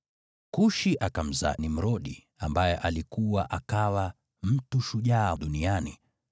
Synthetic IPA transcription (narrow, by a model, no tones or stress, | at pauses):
kuʃiʔakam̩za̰nim̩ɾɔɗi | ambajɛʔalikuwaʔakawa | m̩tuʃuʄaːɗuniani